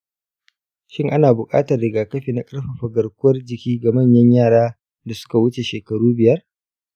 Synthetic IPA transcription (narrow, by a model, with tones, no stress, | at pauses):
ʃɪ˦ŋʔa˦naː˨bʊ˨kʼaː˦tɐ˨rɽɪ˨ɡaː˨kɐ˦ɸiː˨na˨kʼɐ˦ɽɸa˨ɸɐ˨ɡɐ˨rkʷʊ˦wɐ˦rd͡ʒɪ˨kʲiː˦ɡa˨mɐ˦˨ɲjɐ˦ɲjaː˦˨ɽaː˦ | da˨sʊ̥˦ka˨wʊ˦t͡ʃe˨ʃeː˨kɐ˨ɽuː˦bɪ˨jɐ˦r